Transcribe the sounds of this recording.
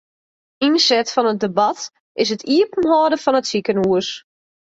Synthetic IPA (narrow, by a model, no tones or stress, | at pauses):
insɛtfɔnət̚dəbɑt | ʔɪs̬ətʰiəpn̩ɦɔːdəfɔnətsikənuəs